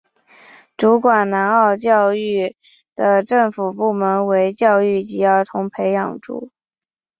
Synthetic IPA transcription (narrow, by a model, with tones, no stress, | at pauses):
ʈ͡ʂu˧˥kwa˨˩nna˧˥nɑ˥˧ʊt͡ɕjɑ˥˧ʊy˥˩ | d̪̥ə˩ʈ͡ʂɤ˥˩ŋfu˨˩pu˥˩mə˧˥nwe˧˥ɪt͡ɕjɑ˥˧ʊy˥˩t͡ɕi˧˥ə˞˧˥t̪ʰʊ˧˥ŋpʰe˧˥ɪjɑ̰˨˩ŋʈ͡ʂṵ˧˩˦